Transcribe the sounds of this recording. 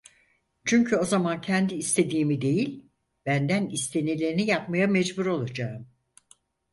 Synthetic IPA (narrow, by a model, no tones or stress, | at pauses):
t͡ʃʰyɲcʰyo̞zamancʰɛnd̪iːst̪ʰe̞d̪iːmid̪e̞jilʲ | b̥ænd̪ænist̪ʰe̞nilʲe̞ɾinijapmajamɛd͡ʒbuɾo̞lˠad͡ʒaːɯm